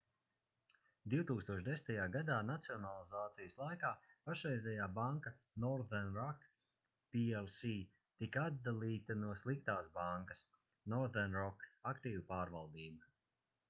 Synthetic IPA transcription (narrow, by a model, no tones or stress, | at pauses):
d̪iwt̪uːkst̪uɔʃd̪e̞sn̥ʲt̪ajaːɡad̪aːnat̪siɔnalˠizaːt̪sijəslˠajkaːpaʃɾɛjzʲɛjaːbaŋka | nɔɾd̪ɛnɾɔk | piɛlˠsiː | t̪ikad̪̚d̪alˠiːt̪anuɔslˠik̚t̪aːsbaŋkɐs | nɔɾd̪ɛnɾɔkakt̪iːvupaːɾvalˠd̪iːbɐ